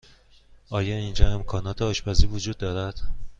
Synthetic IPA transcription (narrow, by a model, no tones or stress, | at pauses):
ʔɒːjɒːind͡ʒɒːe̞mkʰɒːnɒːt̪ʰehɒʃbɒziːvod͡ʒuːd̪̚ːɒːɾæd̪̥